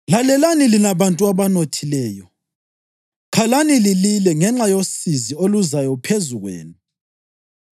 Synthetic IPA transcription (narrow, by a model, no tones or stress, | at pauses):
lalɛlanilinaβantʼuaβanotʰilɛːjɔ | kʰalanilililɛŋɛŋ͡ǁajosizioluzajɔpʰezuɣwḛːnu